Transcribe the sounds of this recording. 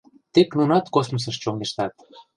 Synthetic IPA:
t̪eknunɑt̪kosmos̬əʃt͡ɕoŋɡeʃt̪ɑt̪

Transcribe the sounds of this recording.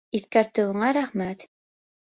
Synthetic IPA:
iθkæɾt̪ɘ̆wŭɴɑɾæχmæt̪

